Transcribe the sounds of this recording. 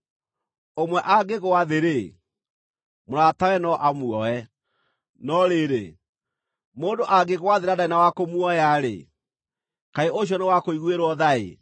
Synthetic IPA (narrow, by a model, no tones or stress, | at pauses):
omwɛʔaɡeɣowaðeɾe | moɾatawɛnɔʔamuɔɛ | nɔɾeɾe | moːndoʔaɡeɣowaðeɾadainawakomuɔjaɾḛ | kaeoɕ̬jɔnewakoiɣweɾwɔðaḛ